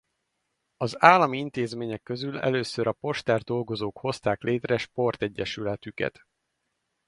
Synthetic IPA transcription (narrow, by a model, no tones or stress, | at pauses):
ɒzaːlːɒmiint̪eːzmeːɲɛkːø̞zylɛ̰løːsøɾɒpo̞ʃt̪ɛrd̪o̞lɡo̞zoːkho̞st̪aːklʔeːt̪rɛʃpo̞rt̪ɛɟːɛʃylɛt̪ykɛ̰t̪